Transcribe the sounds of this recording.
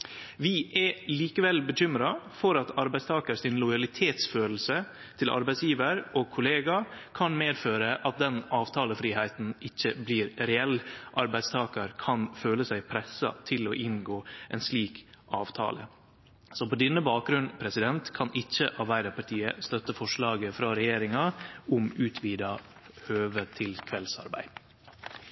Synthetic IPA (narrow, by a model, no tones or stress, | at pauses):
ʋɪʔɛliːkəʋɛlbəc͡çʏmɾɑfɔɾɑt̪ɑɾbæɪst̪ʰɑːkəɾsɪnlɔjɑlɪt̪ʰeːt̪sføːl̩sə | t̪ʰɪlʔɑ̰ɾbæɪtsjiːʋəɾʔɔkʰʊleːɡɑkʰɑnmeːd̪føːɾəʔɑt̪̚d̪ɛnɑːʋt̪ʰɑːləfɾiːhæɪt̪n̩ɪçːəbliːɾɾɛɛlʔɑɾbæɪst̪ʰɑːkəɾkʰɑnføːləsæɪpʰɾɛsɑ̰t̪ʰɪloːʔɪnɡoːʔɛ̰nsliːkʔɑ̰ːʋt̪ʰɑ̰ːlə̰ | sɔpɔd̪ɪnːəbɑːk̚ɡɾʉnpʰɾɛsɪd̪ɛnt̪kʰɑnʔɪçːəʔɑɾbæɪd̪ɑɾpʰɑʈ̪ʰiːəst̪œt̪ːəfɔʂɭɑːɡəfɾɑɾɛjeːɾɪŋɑʊmʉːt̪ʰʋiːd̪ɑ | høːʋət̪ʰɪlkʰʋɛlsɑ̰ɾbæ̰ɪ